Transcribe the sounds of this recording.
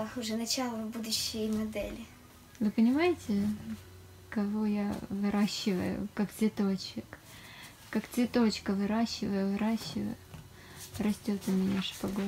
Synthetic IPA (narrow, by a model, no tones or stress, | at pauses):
ʊʐɛnɐt͡ɕalˠəvbud̪ʊɕːɪjmɐd̪ɛlʲɪ | vɨpənʲɪmajɪtʲɪ | kɐvo̞javɨɾaɕːɪvə̰jʊ̰kakt̪vʲɪt̪o̞t͡ɕɪk | kakt̪vʲɪt̪o̞t͡ɕkəvɨɾaɕːɪvəjʊvɨɾaɕːɪvə̰jʊ | rɐsʲtʲo̞t̪ʊmʲɪnʲaʂɨ̥pɐɡo